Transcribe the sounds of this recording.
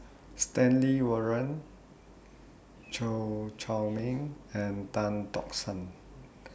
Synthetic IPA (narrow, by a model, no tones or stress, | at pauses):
stɛ̃nliwəɹə̃n | t͡ʃot͡ʃʰawmĩŋɛ̃ntãntɔ̰ksə̃n